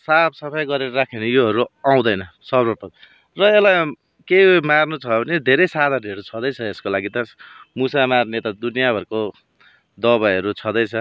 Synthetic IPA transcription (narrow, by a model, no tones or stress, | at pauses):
sabsʌpʰʌjɡʌɾeɾʌɾakʰenʌjoɦʌɾuaw̃d̪ʌjnʌsʌbrʌpʌ | rʌelaj | kemarnut͡sʰʌbʱʌned̪ʱeɾʌjsad̪ʱaniɦʌɾut͡sʰʌd̪ʌjt͡sʰʌeskolaɡit̪ʌmusamarnet̪ad̪unjabʱʌɾko | d̪ʌβajɦʌɾut͡sʰʌd̪ʌjt͡sʰʌ